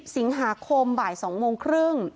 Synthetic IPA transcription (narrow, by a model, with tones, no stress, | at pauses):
p̚si˩˦ŋɦaː˩˦kʰo˧mbaː˨˩jsɔː˩˦ŋmoː˧ŋkʰɾɯ˥˩ŋ